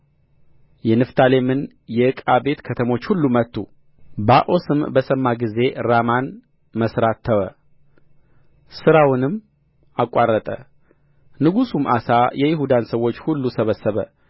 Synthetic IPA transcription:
jɛnɨft̪ʰale̞mɨn | jɛɨkʼabe̞t̪kʰət̪ʰəmo̞t͡ʃːhulːumət̪ːṵ | baʔo̞sɨmbəsəmːaɡize̞ɾaman | məsɾat̪ʰːəwə | sɨɾawɨnɨmː | akʼːarːət̪ʼə̰ | nɨɡusumʔa̰sajɛjɪɦud̪ansəwːo̞t͡ʃːhulːusəβəsːəβə

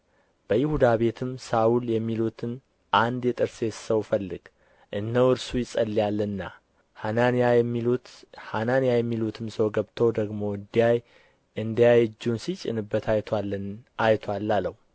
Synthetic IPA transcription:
b̥əjɪhud̪aβe̞t̪ʰɨmsawuljɛmːilut̪ʰɨn | ʔand̪jɛt̪ʼɨɾse̞səwfəlːɨɡ̥ | ʔɨnːəwɨɾsujɪsʼəlːijalːənːa | hananjaiut̪hananijajɛmːilut̪ʰɨmsəwɡəβt̪ʰəwd̪əɡmo̞ɨd̪ijaj | ʔɨnd̪ijajɨd͡ʒːunsit͡ʃʼɪ̰nɨbːət̪ʰajt̪ʰaənajt̪ʰwalːaləh

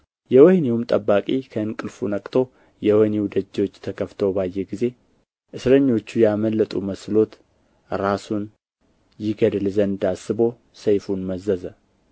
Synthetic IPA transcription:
jɛwəhnewumt̪ʼəbːakʼikʰəɨnkʼɨlfunəkʼt̪ʰo̞ | jɛwənewd̪əd͡ʒːo̞t͡ʃːt̪ʰəkʰəft̪ʰo̞bajːeɡize̞ | ʔɨsɾəɲːo̞t͡ʃːujaməlːət̪ʼuməslo̞t̪ | ɾasun | jɪɡəd̪lzəɨnd̪asɨbo̞ | səjfunməzːəzə

